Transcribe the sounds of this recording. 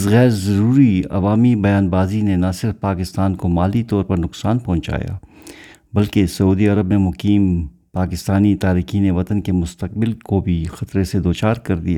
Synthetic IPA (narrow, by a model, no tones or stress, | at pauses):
sɣɛːɾzɐɾuːɾiɐ̰ʋaːmibɐjaːnbaːzinenasɪɾfpaːkɪst̪aːnkomaːlit̪ɔːɾpɐɾnʊqsaːnpɔ̃ːʊ̃nt͡ʃa̰ːja̰ː | bɐlkesɐuːd̪iɐɾəbnemʊqiːm | paːkɪst̪aːnit̪aːɾiːkiːneʋɐt̪ənkemʊst̪əq̚bɪlkobʱixɐt̪ɾesed̪oːt͡ʃaːɾkɐɾd̪ija̰ː